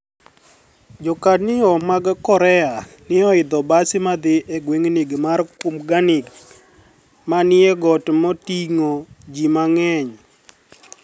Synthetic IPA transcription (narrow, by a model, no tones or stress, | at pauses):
d͡ʒɔkanɪɔmaɡkɔɾɛanɪɔɪd̪ɔbasɪmad̪ɪʔɛɡweŋnɪɡmarkumɡanɪɡ | manɪɛɡɔtmɔtiŋod͡ʒimaŋɛɲ